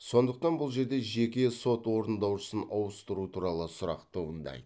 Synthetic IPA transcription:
sso̞nd̪əq̚t̪ɑnbʊlˠʒe̞ɾd̪e̞ʒe̞kʲe̞so̞t̪wo̞ɾənd̪ɑwʃə̥sənʔɑwəst̪əɾut̪ʰuɾɑlˠəsʊɾɑ̰qt̪ʰobənd̪ɑ̰j̪

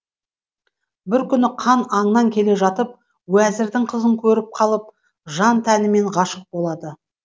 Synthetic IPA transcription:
bɪɾkʲʰʏnɪqʰɑnɑɴnɑŋkʲʰe̞leʒɑt̪əp̚ | wæzɪɾd̪ɪɴqʰəzəŋkʲʰɵɾɪp̚qʰɑlˠəp̚ | ʒɑnt̪ʰænɪme̞ɴʁɑʃəq̚bo̞lˠɑd̪ə

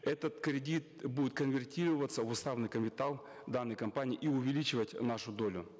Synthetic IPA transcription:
ɛt̪ət̪kɾʲɪdʲit̪̚budʲɪt̪̚kənvʲɪrtʲiɾəvət̪sːəvʊst̪avnɨjkəmʲɪt̪alˠ | d̪anːəjkɐmpanʲiːʔiʊvʲɪlʲit͡ɕɪvətʲnaʂʊd̪olʲʊ̰

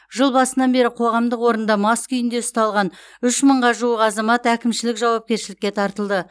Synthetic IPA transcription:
ʒəlˠbɑsənɑnbe̞ɾɪqʰo̞ʁɑmd̪əqwo̞ɾənd̪ɑmɑskʏjɪnd̪e̞ʊst̪ɑlˠʁɑnʏʃməɴʁɑʒuəqɑzɑmɑt̪ækʲɪmʃɪlɪkʒɑwɑp̚kʲe̞ɾʃɪlɪkʲːe̞t̪ʰɑɾt̪əlˠd̪ə

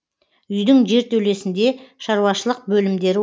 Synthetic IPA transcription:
ʏjd̪ɪŋʒe̞ɾt̪ʰewle̞sɪnd̪e̞ʃɑɾuwɑʃəlˠəq̚bɵlɪmd̪e̞ɾɪ

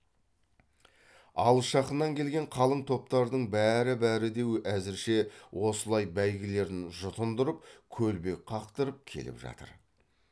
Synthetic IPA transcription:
ɑ̰lˠəʃɑqənːɑŋkʲʰe̞lɡʲe̞ɴqʰɑlˠəɴt̪ʰo̞p̚t̪ɑɾd̪əɴbæɾɪbæɾɪd̪e̞wæzɪɾʃe̞wʔo̞səlˠɑjbæjɡʲɪle̞ɾd̪ɪnʒʊt̪ənd̪ʊɾəp̚kʲʰɵlbe̞qʰɑqt̪əɾəp̚kʲʰe̞̰lɪ̰pʒɑ̰t̪ə̰ɾ

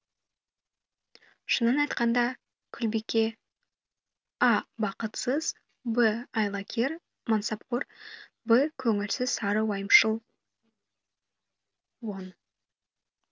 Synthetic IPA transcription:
ʃənːɑnɑjt̪qɑnd̪ɑ | kʲʰʏlbekʲe̞ | ɑbɑqət̪səz̥ | bəɑjlˠɑkʲʰe̞r | mansɑp̚qor | bəkʲʰɵŋɪlsɪz̥sɑɾəwɑjəmʃəlˠ | won

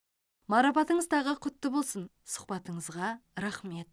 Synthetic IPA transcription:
mɑɾɑpɑt̪əɴəzt̪ɑʁəqʰʏt̪ːɪbo̞lˠsən | sʊ̥χpɑt̪əɴəzʁɑɾaχme̞t̪̚

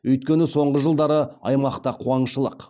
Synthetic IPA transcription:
ɵjt̪kʲe̞nɪso̞ɴʁəʒəlˠd̪ɑɾəɑ̰jmɑqt̪ɑqʰuɑɴʃəlˠəq

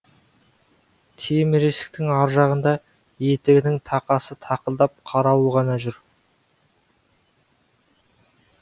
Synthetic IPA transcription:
t̪ʰemɪɾesɪ̥k̚t̪ɪŋɑɾʒɑʁənd̪ɑ | jet̪ɪɡʲɪnɪŋt̪ʰɑqɑsət̪ʰɑqəlˠd̪ɑp̚qʰɑɾɑwəʁɑnɑʒʏɾ

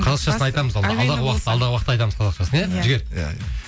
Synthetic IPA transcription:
qʰɑzɑqʃɑsəɑjt̪ɑməzɑlˠd̪ɑʁəwɑqət̪ːɑlˠd̪ɑʁəwɑqət̪ːɑjt̪ɑməzqʰɑzɑqʃɑsəneʒɪɡʲe̞ɾ

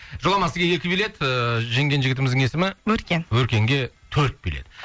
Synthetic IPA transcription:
ʒolˠɑmɑsəɡʲejekʲɪbile̞t̪ʒe̞ŋɡʲe̞nʒɪɡʲɪt̪ɪmɪzd̪ɪŋe̞sɪmɪwɵɾkʲenwɵɾkʲe̞ŋɡʲe̞t̪ʰɵɾt̪̚beled̪̥ɪ

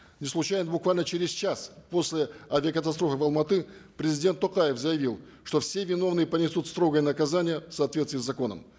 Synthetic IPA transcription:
nʲɪslˠʊt͡ɕajɪnbʊkvalʲnət͡ɕeɾʲɪzt͡ɕaspo̞sʲlʲɪɐvʲɪɐkət̪ɐst̪ɾofɨvɐlˠmɐt̪ɨpɾʲɪzʲɪdʲe̞nt̪ːoqajɪfzəjɪvʲilˠ | ʂt̪o̞fsʲe̞vʲɪno̞vnɨjəpənʲɪsut̪st̪ɾo̞ɡəjənəkɐzanʲɪjəfsəɐːt̪vʲet̪st̪vʲɪːszːɐko̞nə̰m

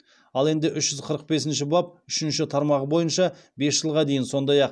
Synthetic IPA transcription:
ɑlˠe̞nd̪ɪʔʏʃʒʏzqʰəɾəq̚be̞sɪnʃɪbɑp̚ʏʃɪnʃɪt̪ʰɑɾmɑʁəbo̞jənʃɑ | be̞sʒ̥əlˠʁɑd̪e̞jɪnso̞nd̪ɑjɑq

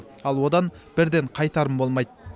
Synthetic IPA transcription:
ɑlˠwo̞d̪ɑnb̥ɪɾd̪e̞ɴqʰɑjt̪ɑɾəmbo̞lˠmɑjd̪

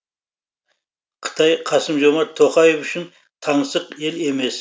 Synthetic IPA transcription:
qʰə̥t̪ʰɑjqʰɑsəmʒomɑt̪ʰːoqɑjefʏʃɪn | t̪ʰɑɴsəqe̞le̞me̞s

